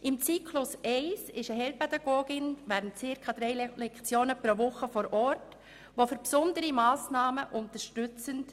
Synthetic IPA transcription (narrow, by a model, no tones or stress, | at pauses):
ʔɪmt͡siːkʰlʊsɛɪsɪʃəɦɛlpɛd̪ɑɡoːɡɪnvæːɾəntt͡sɪɾkʰɑd̥̪ɾɛɪlɛkt͡sjoːnəpɾoʋʊχəfɔɾʔɔrt | ʋofʏɾpsʊndəɾimɑːsnɑːməʔʊntəʃtʏt͡sənt